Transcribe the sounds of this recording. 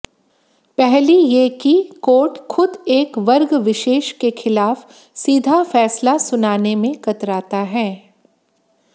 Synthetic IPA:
pɛɦlijekikoːʈxʊd̪eːkʋɐɾɡʋɪʃeːʃkexɪlaːf | siːd̪ʱafɛːslasʊnaːnemẽkɐt̪ɾaːt̪aɦɛː

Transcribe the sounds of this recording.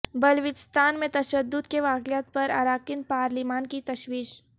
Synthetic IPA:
bɐlʋɪd͡ʒst̪ʰaːnmẽt̪ɐʃəd̪ːʊd̪keʋaːkɪjat̪pɐɾa̰ɾaːkɪnpaːɾlɪmaːnkit̪ɐʃwiːʃ

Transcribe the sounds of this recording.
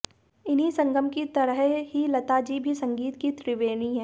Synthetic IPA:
ɪnɦisɐ̃ŋɡəmkit̪ɐɾəɦɦilɐt̪ad͡ʒibʱisɐ̃ŋɡiːt̪kit̪ɾɪʋeːniɦɛ̃ː

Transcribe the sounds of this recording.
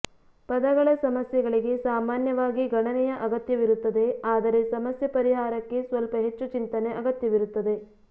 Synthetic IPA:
pɐd̪ɐɡɐɭɐsɐmɐsjɐɡɐɭiɡe̞saːmaːnjɐʋaːɡiɡɐɳɐnɛjɐʔɐɡɐt̪jɐʋiɾut̪ːɐd̪e̞aːd̪ɐɾe̞sɐmɐsjɐpɐɾiɦaːɾɐkːe̞sʋɐlpɐɦet͡ʃːut͡ʃint̪ɐneʔɐɡɐt̪jɐʋiɾut̪ːɐd̪e̞

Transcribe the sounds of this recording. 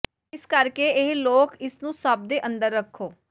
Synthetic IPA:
ɪskəɾkeːɪɦloːkɪsnũːsəb̚d̪eːʔə̃nd̪əɾːəkʰːoː

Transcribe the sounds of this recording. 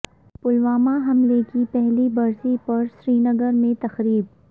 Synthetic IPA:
pʊlʋaːmaɦɐmlekipɛɦlibɐɾsipɐɾsɾiːnɐɡəɾmẽt̪ɐxɾiːb̚

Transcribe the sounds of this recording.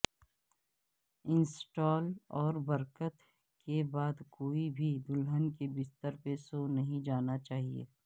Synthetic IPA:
ɪ̃nsʈɔːlɔːɾbəɾkət̪ | kebaːd̪koːibʱid̪ʊlɦənkebɪst̪əɾpesonɐɦĩd͡ʒaːnat͡ʃaːɦiḛː

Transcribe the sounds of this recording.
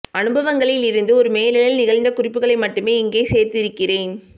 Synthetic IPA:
ɐnɯbɐʋɐŋɡɐɭɪlɪɾɯnd̪ɯɔɾɯmeːlɪlɐlnɪɣɐɭnd̪ɐkʊrɪpːɯɣɐɭɐɪmɐʈːɯmeːɪŋɡeːseːɾt̪ɪɾɯkːɪreːn

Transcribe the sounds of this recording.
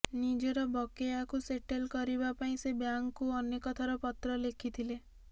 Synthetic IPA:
nid͡ʒeɾɔbɔkeakuseʈelkɔɾiβapaĩsebjaŋkːuɔnekɔt̪ʰaɾɔpɔt̪ɾɔlekʰit̪ʰile

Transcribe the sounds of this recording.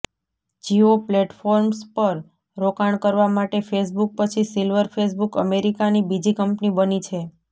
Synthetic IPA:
d͡ʒiopleʈfoɾmspəɾ | ɾokaɳ̃kəɾʋamaʈefes̬buk̚pət͡ʃʰisilʋəɾfʰes̬bukəmeɾikanibid͡ʒikəmpnibənit͡ʃʰe

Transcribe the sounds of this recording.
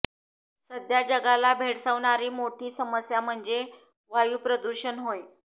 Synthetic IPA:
səd̪jad͡ʑəɡalabʱeɽsəʋɳaɾiːmoʈʰiːsəməsjam̤əɳd͡ze | ʋajuːpɾəd̪uɾɕənɦoj

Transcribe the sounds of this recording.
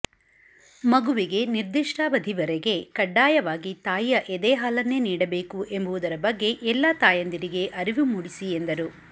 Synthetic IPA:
mɐɡuʋiɡe̞niɾd̪iʂʈaːbɐd̪ʱiʋɐɾeɡe̞kɐɖːaːjɐʋaːɡit̪aːjjɐʔed̪ɛːɦaːlɐnːe̞niːɽɐbe̞ːkuʔe̞mbuʋud̪ɐɾɐbɐɡːe̞ʔɛlːat̪aːjɐnd̪iɾiɡe̞ʔɐɾiʋumuːɽisiend̪ɐɾu

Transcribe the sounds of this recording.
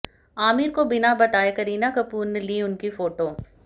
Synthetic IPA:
aːmiːɾkobɪnabɐt̪aːekɐɾiːnakɐpuːɾneliʊnkifoːʈoː

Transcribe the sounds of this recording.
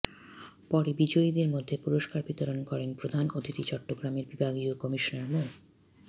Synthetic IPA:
pɔɾebid͡ʑoid̪eɾmod̪ʱːepuɾoʃkaɾbit̪oɾonkɔɾenpɾod̪ʱanot̪ʰit̪it͡ɕɔʈːoɡɾameɾbibʱaɡiokɔmiʃonaɾmo

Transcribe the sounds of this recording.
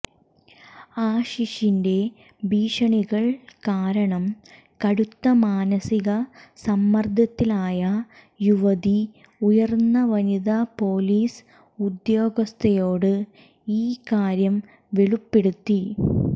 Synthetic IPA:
aːɕiʂinde̞ | biːʂɐɳiɣɐɭkaːɾɐɳɐm | kɐɽut̪ːɐmaːnɐsiɣɐsɐmːɐrd̪ʱɐt̪ːilaːjɐ | juʋɐði | ujɐrnːɐʋɐniðapo̞ːliːs | ud̪jo̞ːɡɐst̪ʰɐjo̞ːɽɨ | iːkaːɾjɐm | ʋeɭupːeɽut̪ːi

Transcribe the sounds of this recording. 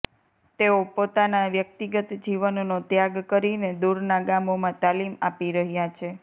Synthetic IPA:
t̪eopot̪anaʋjək̚t̪iɡət̪d͡ʒiʋənonot̪jaɡkəɾined̪uɾnaɡamomãt̪alimapiɾəɦjat͡ʃʰe

